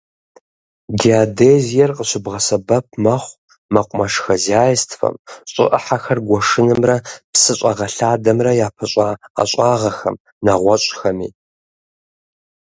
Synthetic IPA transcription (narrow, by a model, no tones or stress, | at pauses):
ɡiadeːzijɛrqəɕɪbʁɐsɐbɐp̚ʰmɐχʷ | mɐqʷʼʊmɐʂxɐzaːjɪstʰfɐ̰mɕʼɪ̰ʔɐ̰ħaxɐrɡʷɔʂɨnɨmrɐpsɨɕʼɐʁɐɬaːdɐmrɐjaːpʰɐɕʼaa̰ɕʼɑːʁɐxɐm | nɐʁʷɔɕʷʼxɐmḭː